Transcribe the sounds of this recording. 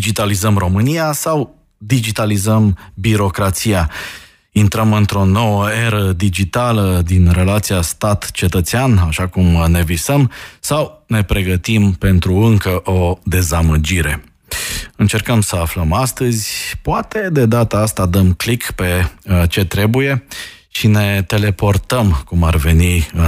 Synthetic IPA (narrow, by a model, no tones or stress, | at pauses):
d͡ʒit̪alizəmro̞mɨnijasaw | d̪id͡ʒit̪alizəmbiɾo̞kɾat̪sija | int̪ɾəmɨnt̪ɾo̞no̞wəe̞ɾəd̪id͡ʒit̪aləd̪inre̞lat̪sijast̪at̪t͡ʃe̞t̪ət̪seanaʃakumne̞visəmsawne̞pɾe̞ɡət̪impe̞nt̪ɾuɨŋkəʔo̞d̪e̞zaməd͡ʒiɾe̞ | ɨnt͡ʃe̞rkəmsəafləmast̪əzʲpoat̪e̞d̪e̞d̪at̪aast̪ad̪əmklikpe̞t͡ʃe̞t̪ɾe̞buje̞ | ʃine̞t̪e̞le̞po̞rt̪əmkumarve̞ni